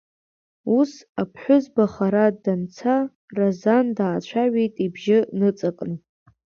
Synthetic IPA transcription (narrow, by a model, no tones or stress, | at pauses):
usapʰħʷʊzbaχaɾadant͡sʰa | razandaːt͡ɕʷʰaɥejtʼibʒɪnɨt͡sʼakʼn